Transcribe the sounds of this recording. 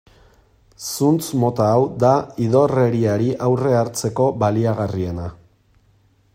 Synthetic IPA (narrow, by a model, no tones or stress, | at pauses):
sunt͡smo̞t̪aːwd̪aiðo̞re̞ɾiaɾiʔawre̞aɾt͡se̞ko̞βaliaɣarie̞na